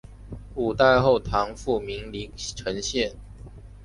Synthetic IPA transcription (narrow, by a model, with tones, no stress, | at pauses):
u˨˩t̪a˥˧ɪxo˥˨ʊt̪ʰɑ˧˥˦ŋfu˥˩mi˨˧˥ŋli˧˥ʈ͡ʂʰə˧˦ŋɕjɛ˥˨n